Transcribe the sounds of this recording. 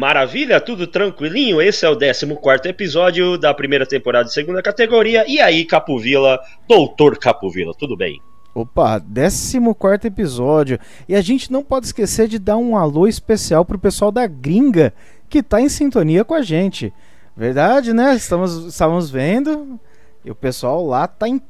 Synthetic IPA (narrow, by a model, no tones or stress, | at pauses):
maɾaviʎɐt̪ud̪ʊt̪ɾɐ̃kwilĩɲʊesɪɛʊd̪ɛsimʊkwaɾt̪ʊepizɔd͡ʒjʊd̪ɐpɾimejɾɐt̪ẽmpoɾad̪ɐd͡ʒɪseɡũnd̪ɐkat̪eɡoɾiɐɪaikapʊvilɐ | d̪owt̪oɾkapuvḭlɐ̰t̪ud̪ʊbḛ̃j̃ | opɐ̰d̪ɛsimʊkwaɾt̪ʊepizɔd͡ʒjʊ | ɪaʒẽnt͡ʃɪnɐ̃w̃pɔd͡ʒɪi̥skeseɾd͡ʒɪd̪aɾũaloɪspesiawpɾʊpesuawd̪ɐɡɾĩŋɡɐ | kɪt̪aẽj̃sĩnt̪õniɐkõɐʒẽnt͡ʃɪ̰ | veɾd̪ad͡ʒɪnɛɪst̪ɐ̃mʊzɪst̪avɐmʊzvẽnd̪ʊ | ʊpesuawlat̪aẽ